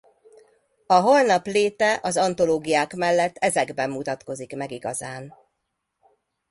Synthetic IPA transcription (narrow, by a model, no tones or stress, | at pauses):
ɒɦo̞lnɒpleːt̪ɛʔɒzɒnt̪o̞loːɡijaːkmɛlːɛt̪ːɛzɛɡbɛmːut̪ɒt̪ko̞zikmɛɡiɡɒzaːn